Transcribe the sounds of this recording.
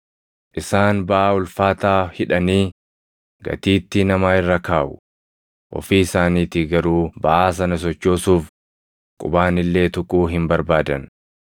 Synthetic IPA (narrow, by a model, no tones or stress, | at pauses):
ʔɪsaːnbɐʔaːʊlfaːt̪aːhɪᶑɐniː | ɡɐ̰t̪iːt̪ːɪnɐmaːɪrːɐkaːʔʊ | ʔɔ̰fiːɪsaːniːt̪ɪɡɐɾuːbɐʔaːs̬ɐnɐs̬ɔt͡ʃːo̞ːsuːf | kʼʊbaːnɪlːe̞ːt̪ʊkʼuːɦɪmbɐɾbaːd̪ɐn